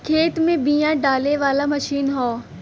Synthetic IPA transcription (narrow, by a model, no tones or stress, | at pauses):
kʰeːt̪mẽbijãɖaːleʋaːlamɐʃiːnɦoː